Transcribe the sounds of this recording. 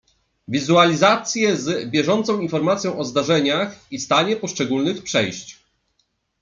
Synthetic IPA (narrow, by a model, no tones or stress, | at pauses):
vʲizualʲizat̪sʲjɛzbʲjɛʐɔnt̪sɔ̃w̃infɔɾmat̪sʲjɔ̃w̃ʔɔzd̪aʐɛɲaxist̪aɲɛpɔʂt͡ʂɛɡulnɘxpʂɛjɕt͡ɕ